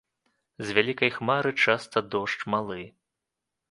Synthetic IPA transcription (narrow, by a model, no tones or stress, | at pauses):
zʲvʲalʲikɐjxmaɾɨt͡ʂast̪ɐd̪ɔʂt͡ʂmalˠɨ